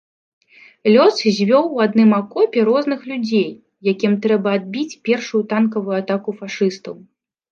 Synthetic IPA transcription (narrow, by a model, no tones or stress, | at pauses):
lʲɔszʲvʲɔwad̪nɨmakɔpʲɛɾɔznɨxlʲud͡zʲej | jakʲimt̪ɾɛbɐad̪̚bʲit͡sʲpʲɛrʂujut̪ankɐvujuat̪akufaʂɨst̪ɐw